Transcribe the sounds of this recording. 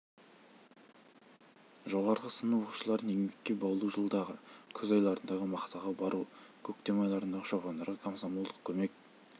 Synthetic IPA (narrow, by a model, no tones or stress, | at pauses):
ʒo̞ʁɑɾʁəsənuwoqu̥ʃəlˠɑɾd̪əneŋbekʲːe̞bɑwlˠuʒəlˠd̪ɑʁəkʲʰɵzojlˠɑɾənd̪ɑʁəmɑqt̪ɑʁɑbɑɾukʲʰɵk̚t̪e̞mɑjlˠɑɾənd̪ɑʁəʃopɑnd̪ɑɾʁəkʰomsɑmulˠd̪əq̚kʲʰɵme̞k̚